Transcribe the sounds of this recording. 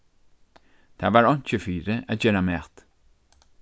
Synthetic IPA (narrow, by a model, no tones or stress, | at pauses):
t̪ʰavaɹɔnt͡ʃəfiːɾəəd͡ʒɛɾamɛt̪